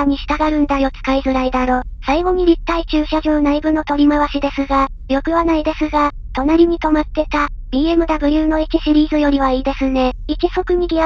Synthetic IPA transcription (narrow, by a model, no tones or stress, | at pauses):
aɲ̟iɕi̥t̪aɡaɾɯ̟̃nd̪ajo̞t͡sɨ̥kaizɨɾaid̪aɾo̞saiɡo̞ɲ̟iɾʲit̪ːait͡ɕɨːɕaʑoːnaibɯ̟no̞t̪o̞ɾʲimaβaɕid̪e̞sɨɡa | jo̞kɯ̟βanaid̪e̞sɨɡa | t̪o̞naɾʲiɲ̟it̪o̞mat̪ːe̞t̪a | b̥ʲiːe̞mɯ̟d̪abɯ̟jɯːno̞ikʲiɕiɾʲiːzɨjo̞ɾʲiβaiːd̪e̞sɨne̞ikʲiso̞kɯ̟ɲ̟iɡʲi